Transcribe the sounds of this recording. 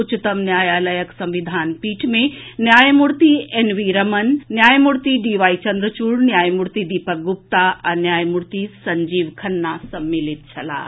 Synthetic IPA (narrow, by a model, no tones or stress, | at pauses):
ʊt͡ʃit̪ɐmnjaːjaːləjəksɐ̃mʋid̪ʱaːnpiːʈʰmẽnjaːjmuɽt̪ienʋiɾɐmɐnːjaːjmuɽt̪iɖiːʋaːit͡ʃɐ̃nd̪ɾət͡ʃuːɽnjaːjmuɽt̪id̪iːpək̚ɡʊp̚t̪aʔɐnjaːjmuɾt̪isɐɲd͡ʒiːʋkʰɐnːasɐmːilit̪̚t͡ʃʰɐla̰ː